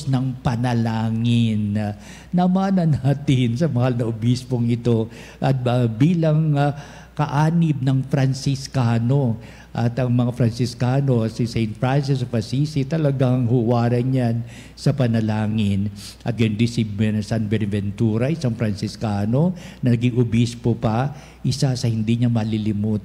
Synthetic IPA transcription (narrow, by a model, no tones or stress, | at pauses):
snɐŋpɐnɐlaːŋɪnː | ɐmanɐnat̪ɪnsɐmɐhalnɐʊbispoŋɪt̪o̞ | ʔɐt̪̚biːlɐŋ | kɐʔaːnɪb̚nɐŋfɾɐnsɪskaːno̞ | ʔɐt̪ɐŋmɐŋafɾɐnsɪskaːno̞sisɛjnt̪̚fɹansɪsofɐsisit̪ɐlɐɡaŋhuwaːɾɐɲan | sɐpɐnɐlaːŋɪn | ʔɐt̪̚ɡɐnd̪isɪbɛnsanbɛnvɛnt̪uːɾɐʔɪsaŋfɾɐnsɪskaːno̞nɐnɐɡiŋʔʊbispopɐ | ʔɪsasɐhɪnd̪iɲɐmɐlɪlɪmuːt̪